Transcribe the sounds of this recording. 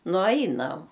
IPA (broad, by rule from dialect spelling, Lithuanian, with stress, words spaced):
nʊˈɐɪnɐm